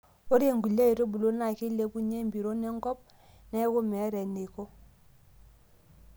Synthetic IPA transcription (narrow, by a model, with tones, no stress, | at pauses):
o˦ɾi˦e˦˨ŋɡu˨la˦i˨ɾo˦bu˨lo˦na˨ki˦le˨˦pu˦ɲe˦˨mbi˨ɾo˦ne˦ŋ˦ɡɔ˦p̚ | ne˦ko˦me˨˦ɾe˨ni˨ko˦